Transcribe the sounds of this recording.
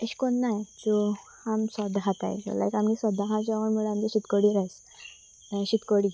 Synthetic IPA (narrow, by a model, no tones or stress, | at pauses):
eɕkonːajt͡su | hamsɔd̪ʱɦãt̪a̰jkə̰la̰jkamnisɔd̪ʱaɦãd͡zɔʋəɳmuɭəamd͡ʑiɕit̪koɽiːɾajs | ɕit̪koɽi